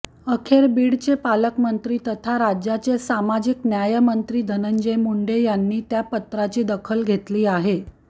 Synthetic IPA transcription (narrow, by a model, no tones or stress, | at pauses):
əkʰeɾbiːɽt͡ɕepaləkmənt̪ɾiːt̪ət̪ʰaɾad͡ʑjat͡ɕesamad͡ʑiknjajəmənt̪ɾiːd̪ʱənəɲd͡ʑemuɳɖejanːiːt̪japət̪ɾat͡ɕiːd̪əkʰəlɡʱet̪liːaɦe